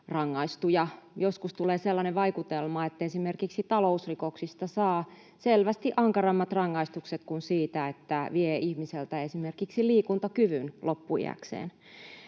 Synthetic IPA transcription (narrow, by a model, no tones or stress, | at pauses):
rɑŋːɑist̪ujɑjoskust̪uleːselːɑneʋɑikut̪elmɑet̪ːæesimerkiksit̪ɑlousrikoksist̪ɑsɑː | selʋæst̪iʔɑŋkɑrɑmːɑt̪rɑŋːɑist̪ukset̪kunsiːt̪æet̪ːæʋieihmiselt̪æesimerkiksiliːkunt̪ɑkyʋynlopːuḭæ̰ksḛːn